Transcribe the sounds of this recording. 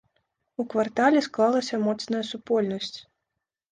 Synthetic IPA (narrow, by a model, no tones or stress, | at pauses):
ukvart̪alʲɛsklˠalˠɐsʲɐmɔt̪snɐjɐsupɔlʲnɐsʲt͡sʲ